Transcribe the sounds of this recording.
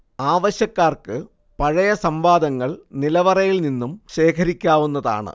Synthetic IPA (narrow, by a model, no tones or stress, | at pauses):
aːʋɐɕjɐkːaːrkɨ | pɐɻɐjɐsɐmbaːd̪ɐŋːɐɭnilɐʋɐrɐjilninːumɕe̞ːkʰɐɾikʲːaːʋunːɐða̰ːɳɨ̰